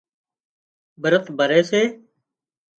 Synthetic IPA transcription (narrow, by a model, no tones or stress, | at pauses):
bəɾət̪ʰbʱəɾeːseː